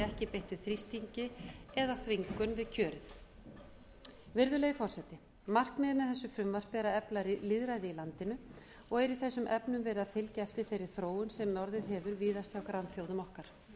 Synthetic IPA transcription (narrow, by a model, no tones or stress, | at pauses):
ɛhcɪpejht̪ʏ̥θɾist̪iɲcɪɛðaθviŋkʏnvɪðcʰœːɾɪθ | vɪɾðʏlɛɣɪfɔr̥sɛt̪ɪ | mar̥kmɪðmɛðθɛsːʏfɾʏmvar̥pɛɾaɛplaɾlɪðɾaːjðɪilant̪ɪnʏ | ɔɣɛɾiθɛsːʏmʔɛpnʏmvɛːɾɪðafɪlcaɛft̪ɪɾ̥θejɾɪɾ̥θɾoːwʏnsɛmːjɔɾðɪðɦɛːvʏɾviːðast̪jawkɾanθjowðʏmɔhkaɾ̥